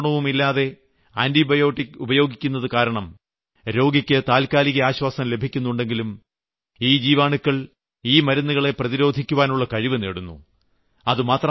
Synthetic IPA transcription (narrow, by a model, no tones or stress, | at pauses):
ɳɐʋumilːaːðe̞ | aːndibɐjoːʈiubɐjo̞ːɡikʲːunːɐðɨkaːɾɐɳɐm | ɾo̞ːɡikʲːɨt̪aːlkaːliɣɐaːɕwaːsɐmle̞bʱikʲːunːuɳɖe̞ŋɡilum | iːd͡ʑiːʋaːɳukːɐɭ | iːmɐɾɐnːuɣɐɭe̞prɐðiɾo̞ːd̪ʱikʲːuʋaːnuɭːɐkɐɻiʋɨnḛːɽunːṵ | ɐðɨmaːt̪rɐ